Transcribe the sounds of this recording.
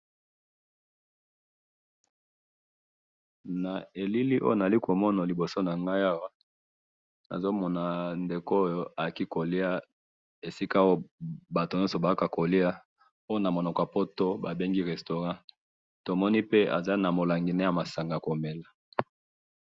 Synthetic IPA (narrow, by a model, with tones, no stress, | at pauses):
na˨e˨li˦li˦ʔo̰˦jo˦na˨a˨li˦ko˨mɔ˦na˨li˨bo˨so˦na˨ŋɡa˦ja˦wa˦ | na̰˨zo˦mɔ˨na˨nde˨ko˦jo˦a˨jki˦ko˨li˦a˦ | e˨si˦ka˦o˦o˦ba˨to˨n˦ɔ˦so˨ba˨a˦ka˨ko˨li˦a˦ | o˦jo˦na˨mo˨nɔ˨kɔ˨a˨po˦to˦ba˨be˦ŋɡi˦ʁɛ˨sto˨ʁã˦ | to˨mɔ˦ni˦pe˦a̰˨za˦na˨mo˨la˨ŋɡi˨ne˦ja˨ma˨sa˨ŋɡa˨a˨ko˨me˨la˨